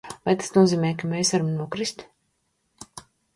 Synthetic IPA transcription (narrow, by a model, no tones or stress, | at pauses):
vajt̪ḁsnuɔziːmɛːjkameːjsvaɾamnuɔkɾist̪